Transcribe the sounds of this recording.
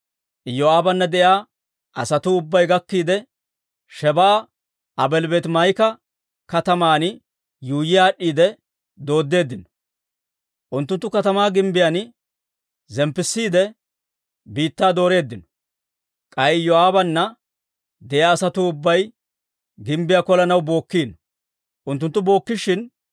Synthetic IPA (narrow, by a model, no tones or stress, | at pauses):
jɔaːbɐnːɐd̪ɛjaː | ɐsɐt̪uːʊbːɐjɡɐkːiːd̪ɛ | ʃɛbɐː | ɐbɛlbeːt̪mɐjkɐ | kɐt̪ɐmaːn | juːjɪjaːɗːiːd̪ɛ | d̪o̞ːd̪ːe̞ːd̪ːɪnɔ̥ | ʔʊnt̪ːʊnt̪ːʊkɐt̪ɐmaːɡɪmbɪjan | zɛmpːɪsːiːd̪ɛ | biːt̪ːaːd̪o̞ːɾe̞ːd̪ːɪnɔ̥ | kʼɐjjɔaːbɐnːɐ | d̪ɛjaːsɐt̪uʊbːɐj | ɡɪmbɪjakɔlɐnɐwbo̞ːkːiːnɔ | ʔʊnt̪ːʊnt̪ːʊbo̞ːkːɪʃɪn